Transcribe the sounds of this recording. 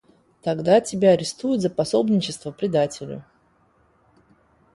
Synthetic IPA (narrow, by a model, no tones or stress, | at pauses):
t̪ɐɡd̪atʲɪbʲaɐɾʲɪst̪ujʊt̪zəpɐso̞bnʲɪt͡ɕɪst̪vəpɾʲɪd̪atʲɪlʲʊ̰